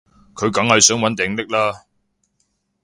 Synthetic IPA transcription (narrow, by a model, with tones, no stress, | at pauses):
kʰɵ˨˧ɥkɐ˨˥ŋhɐ˨jsœː˨˥ŋwɐ˨˥nt̪ɪ˨ŋt̪ɪ˥k̚laː˥